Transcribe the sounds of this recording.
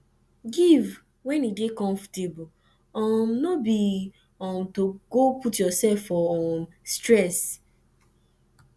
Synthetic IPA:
ɡiv | wɛ̃nidekɔ̃ɱftebu | ɔmnobi | ɔ̃mtoɡoputjɔsɛfɔm | stɹɛs

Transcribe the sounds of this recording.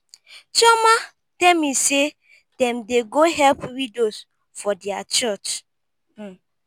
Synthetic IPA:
t͡ʃɔma | tɛlmise | d̥ɛ̃mdeɡoɦɛlpwidos | fɔdɛat͡ʃɔt͡ʃ

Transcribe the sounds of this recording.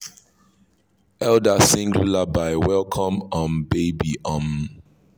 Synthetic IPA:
ɛldasĩŋɡjulabaɪwɛlˠkʰɔ̃mɔ̃nbebiʔɔ̃m

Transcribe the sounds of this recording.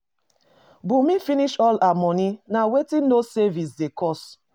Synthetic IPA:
bumĩfiniʃɔlamɔninawetĩnosɛvis̬dekɔs

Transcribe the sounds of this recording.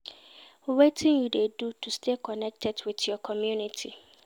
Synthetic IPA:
wetʰɪ̃njudedutʰustʰekʰɔnɛk̚tʰɛdwɪtjɔkʰɔmjunitʰi

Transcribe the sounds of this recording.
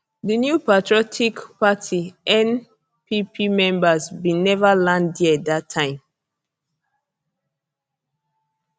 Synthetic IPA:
dinjupatɹiɔtʰikpatʰiɛ̃n | pipʰimɛ̃mbasbĩnɛvalãndiɛdatʰːãɪ̃m

